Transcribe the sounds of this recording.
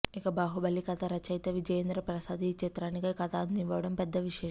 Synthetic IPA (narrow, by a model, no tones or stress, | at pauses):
ikɐbaːɦubɐlːikɐt̪ɐɾɐt͡ʃɐjt̪ɐʋid͡ʒɐjɐnd̪ɾɐpɾɐsaːd̪it͡ʃːit̪ɾaːnikɐkɐt̪aːnd̪iʋʋɐʋɐɽɐmpɛd̪ːɐʋiʃɛː